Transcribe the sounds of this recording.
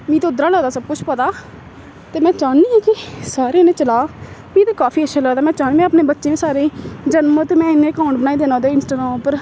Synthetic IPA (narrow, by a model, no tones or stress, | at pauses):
mĩːt̪eːʊd̪ɾaːlɛːd̪aːsəb̚kʊt͡ʃʰpət̪aː | t̪eːmɛ̃ːt͡ʃaːiːɛ̃ːkɪsaːɾeːnẽːt͡ʃəlaːmĩːt̪eːkaːfiːəʃʰaːlɛːd̪aːmɛ̃ːt͡ʃaːniːɛ̃ːəpneːbətːʃeːẽsaːɾeːd͡ʒənmot̪eːmɛ̃ːɪnːẽːkaʊ̃ɳʈbənaːiːd̪eːnãːd̪eːɪnsʈaːɡɾaːmːpəɾ